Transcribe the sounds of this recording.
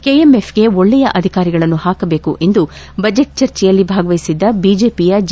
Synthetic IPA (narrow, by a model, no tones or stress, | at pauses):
kejemepʰɡe̞oɭːɛjɐʔɐd̪ʱikaːɾiɡɐɭɐnːuhaːkɐbe̞ːkuʔe̞nd̪u | bɐd͡ʒeʈ̚t͡ʃɐɾt͡ʃɛjɐlːibʱaːɡɐʋɐjisid̪ːɐbiːd͡ʒe̞ːpijɐd͡ʒ